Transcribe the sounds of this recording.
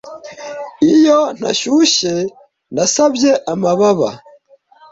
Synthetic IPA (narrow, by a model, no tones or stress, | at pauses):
ijon̥a̰ʃuːʃe̞ | nasabje̞ʔamaβaβa̰